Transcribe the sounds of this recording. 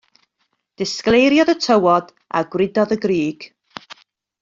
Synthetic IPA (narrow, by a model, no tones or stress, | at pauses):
d̥ɪsklˠejɾjɔðətʰəwɔd | ʔa̰ɡwrɪdɔðəɡriːɡ̥